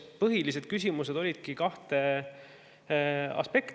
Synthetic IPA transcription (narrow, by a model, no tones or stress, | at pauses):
pɤɦilis̬e̞d̪̥̚kys̬ʲimus̬e̞d̪̥o̞lʲid̪̥kikɑht̪e̞ | ɑ̰spe̞kt̪